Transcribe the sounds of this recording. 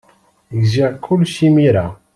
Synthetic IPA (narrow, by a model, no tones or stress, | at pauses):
ɡzakʰːʊlʃimiɾa